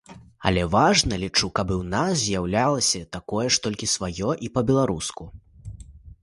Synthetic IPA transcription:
ɐ̰lʲɛvaʐnɐlʲit͡ʂukɐbɨwnaszʲjawlʲalˠɐsʲɐt̪akɔjɛʂt̪ɔlʲkʲisvajɔʔipɐbʲɛlˠaɾusku

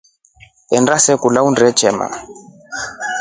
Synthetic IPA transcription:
ɛndasɛkulaundɛt͡ʃʰɛma̰

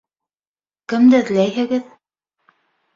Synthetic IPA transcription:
kɘ̆md̪ɘðlæjɦɘ̆ɡɘð

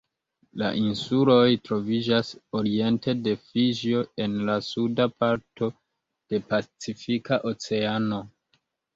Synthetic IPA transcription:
la̰ʔinsulo̞jtɾo̞vid͡ʒaso̞ɾie̞nte̞de̞fiʒo̞e̞nlasudapaɾto̞ | d̥e̞pat͡sifikaʔo̞t͡se̞ano̞

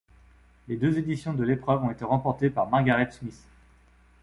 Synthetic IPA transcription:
led̪øzed̪isjɔ̃d̪əlepχœvɔ̃et̪eʁɑ̃pɔʁt̪epaʁmaʁɡʲaʁɛt̪smis

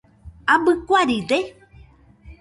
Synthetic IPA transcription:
abɨkʷaɾide

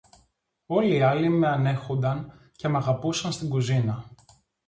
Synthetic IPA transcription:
o̞liɐlime̞ɐne̞xo̞nd̪ɐn | ce̞meɐɣɐpusɐnst̪iŋɡuzinɐ

